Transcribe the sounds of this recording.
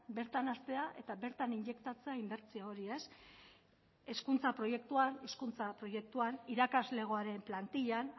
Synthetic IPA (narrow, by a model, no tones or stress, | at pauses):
be̞ɾt̪anast̪e̞aʔe̞t̪abe̞ɾt̪aniɲd͡ʒe̞kt̪at͡se̞aimbe̞ɾt͡siao̞ɾie̞s | e̞skunt͡sapɾo̞je̞k̚t̪uaneskunt͡sapɾo̞je̞k̚t̪uaniɾakazle̞ɣ̞oaɾe̞mplant̪iʎan